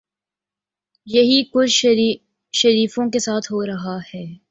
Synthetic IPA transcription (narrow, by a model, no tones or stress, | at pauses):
jɐɦikʊt͡ʃʰ | ʃɐɾiːfõkesaːt̪ʰɦoːɾɐɦahɛː